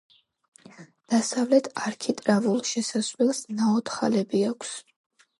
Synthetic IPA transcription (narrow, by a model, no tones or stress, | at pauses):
d̪̥asavlɛt̪ʰaɾkʰit̪ʼɾavulˠʃɛsaslɛlˠsnaɔt̪ʰχalɛbiakʰs